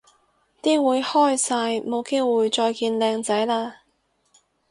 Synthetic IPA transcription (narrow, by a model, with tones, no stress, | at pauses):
t̪iː˥wuː˨˧jhɔː˥jsaː˧jmo˨˧wke˥jwuː˨˧jt͡ʃɔː˧jkiː˧nlɛː˧ŋt͡sɐ˨˥jlaː˧